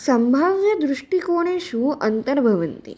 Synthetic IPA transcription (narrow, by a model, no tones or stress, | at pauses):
sɐmbʱaʋjɐd̪ɾuʂʈikoːɽ̃eʃũɐnt̪əɾbʱɐʋənt̪ḭ